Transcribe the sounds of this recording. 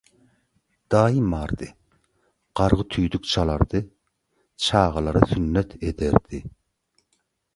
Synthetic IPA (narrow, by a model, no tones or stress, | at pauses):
d̪̥ɑːimɑɾd̪ɨ | qɑɾʁɨt̪ʰyjd̪yk̚ʲt͡ʃʰɑlˠɑɾd̪ɨ | t͡ʃʰɑːʁɑlˠɑɾɨsynːɛt̪ʰed̪ɛɾd̪̥ɪ